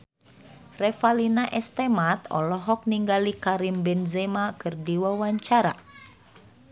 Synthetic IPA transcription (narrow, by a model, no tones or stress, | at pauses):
rɛfalinaʔɛst̪ɛmat̪ɔ̰lɔɦɔk̚niŋɡalikaɾimbɛnzɛmakɨrdiwawaɲt͡ʃaɾa̰